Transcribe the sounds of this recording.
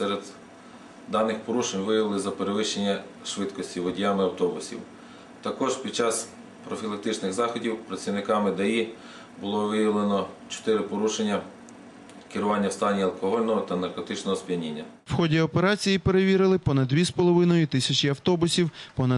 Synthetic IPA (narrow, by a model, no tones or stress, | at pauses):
sɛɾed̪ | d̪ɑnɪxpɔɾuʃenʲʋɪjɐʋɪlˠɪzɐpeɾeʋɪʃt͡ʃenʲːɐ | ʃʋɪt̪kɔsʲtʲiʋɔdʲjamɪɐwt̪ɔbʊsʲḭw | t̪ɐkɔʒpʲid̥̚t͡ʃɑs | pɾɔfʲilˠɐk̚t̪ɪt͡ʃnɪɣzɑxɔdʲiwpɾɐt͡sʲiwnɪkɑmɪd̪ɐji | bʊlˠɔʋɪjɐʋlˠenɔt͡ʃɔ̥t̪ɪɾɪpɔɾuʃenʲːɐ | kɪɾʊʋɑnʲːɐwst̪ɑnʲiɐlˠkɔɦɔlʲnɔɦɔt̪ɐnɐrkɔt̪ɪt͡ʃnɔɦɔspʲinʲinʲːɐ | wxɔdʲiɔpeɾɑt͡sʲijipe̞ɾeʋʲiɾɪlˠɪpɔnɐd̪d̪ʋʲispɔlˠɔʋɪnɔjʊt̪ɪsʲɐt͡ʃʲiɐwt̪ɔbʊsʲiwpɔnɐ